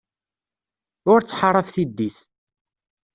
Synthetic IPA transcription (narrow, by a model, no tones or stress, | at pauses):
ʊɾt͡sːħrˤːəfθid̪ːiθ